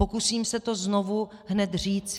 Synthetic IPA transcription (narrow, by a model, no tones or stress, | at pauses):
o̞kusiːmsɛt̪o̞znovuɦnɛt̪r̝iːt͡s